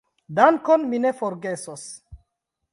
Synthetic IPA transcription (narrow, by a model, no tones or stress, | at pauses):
daŋkonminefoɾɡe̞sos